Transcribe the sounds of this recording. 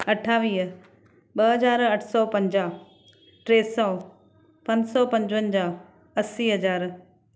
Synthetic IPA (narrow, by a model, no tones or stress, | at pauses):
ɐʈʰaːʋiːɦ | ɓɐɦɐzaːɾɐʈʰsɔːpɐ̃ɲd͡ʑaː | ʈɾeːsɔː | pɐ̃ɲd͡ʑsɔpɐ̃ɲd͡ʑʋənɪd͡ʑaː | ɐsiːɦɐd͡ʑaːɾ